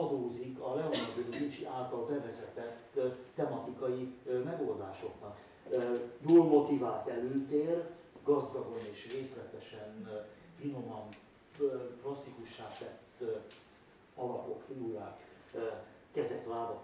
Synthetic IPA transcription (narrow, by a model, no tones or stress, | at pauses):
ɒd̪oːzikɒlɛond̪od̪ozit͡ʃḭʔaːlt̪ɒlbɛvɛzɛt̪ɛt̪ːɛmɒt̪ikɒjimɛɡo̞ld̪aːʃo̞ɡ̚bɒn | joːlmo̞t̪ivaːt̪ɛløːt̪eːr | ɡɒzd̪ɒɡo̞neːʃreːslɛt̪ɛʃɛn | fino̞mɒn | klɒsːikuʃːaːt̪ɛt̪ː | ɒlɒpo̞kfiuɾaːk | kɛzɛt̪laːdɒt̪